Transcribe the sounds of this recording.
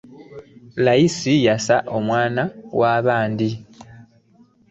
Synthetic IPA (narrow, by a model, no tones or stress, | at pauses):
lajisijasaʔo̞mwaːnawaːβaːndi